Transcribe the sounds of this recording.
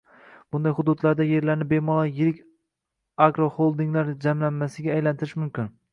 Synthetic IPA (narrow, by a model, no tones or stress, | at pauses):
b̥ʊnd̪ajhʊd̪ʊd̪laɾd̪aje̞ɾlaɾnɪbe̞mɒlˠajɪɾɪkʲ | aɡɾoholˠd̪ɪŋlaɾd͡ʒamlanmasɪɡʲaːjlant̪ʰɪɾɪʃmʊmkʲɪn